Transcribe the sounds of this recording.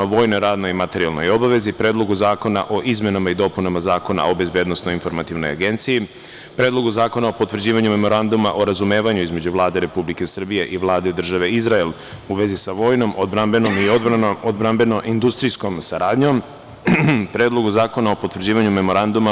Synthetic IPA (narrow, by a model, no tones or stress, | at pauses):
oʋo̞ːjno̞jɾaːd̪no̞jimat̪e̞ɾialˠno̞̰jo̞baʋe̞zipɾe̞ːd̪lˠo̞ɡuzaːko̞na̰ʔo̞ʔizme̞namaid̪o̞punamazaːko̞na̰ʔo̞be̞zbje̞ːd̪no̞snoinfo̞ɾmat̪iʋno̞̰ja̰ɡe̞nt̪siji | pɾe̞ːd̪loɡuzaːko̞nao̞pot̪ːʋr̩d͡ʑiːʋaɲume̞mo̞ɾand̪umaʔo̞ɾazume̞ːʋaɲuizme̞d͡ʑuʋlˠaːd̪e̞ɾe̞publike̞sr̩bije̞ʔiʋlˠaːd̪ed̪r̩ʒaʋe̞izɾael | uʋe̞zisaʋo̞ːjno̞mʔod̪ɾambenomiood̪bɾambe̞noʔind̪ust̪ɾijsko̞msaɾaːd̪ɲo̞m | pɾe̞ːd̪lˠo̞ɡuzaːko̞nao̞pot̪ʋr̩d͡ʑiːʋaɲume̞mo̞ɾand̪uma